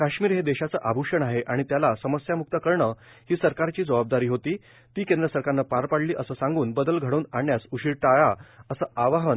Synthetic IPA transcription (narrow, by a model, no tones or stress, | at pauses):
kaɕmiːɾɦed̪eɕat͡səːʔabʱuʂəɳaɦeʔaɽ̃it̪jalasəməsjamuk̚t̪əkəɾɳə | hiːsəɾkaɾt͡ɕiːd͡zəʋab̚d̪aɾiːɦot̪iː | t̪iːkend̪ɾəsəɾkaɾnːapaɾpaɽliːʔəsəːsãŋɡuːnbəd̪əlɡʱəɽoːnaɳjasuɕiːɾʈajaəsəːaʋaɦən